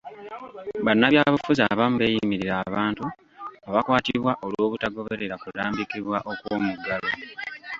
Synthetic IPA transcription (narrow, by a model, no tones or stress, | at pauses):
βanːaβjaːβufuzaβam̩uβe̞ːjimiɾiɾaːβaːntu | aβakwaːtiβwaʔo̞lwo̞ːβutaɡo̞βe̞ɾe̞ɾakudaːmbikiβwaʔo̞kwo̞ːmuɡalo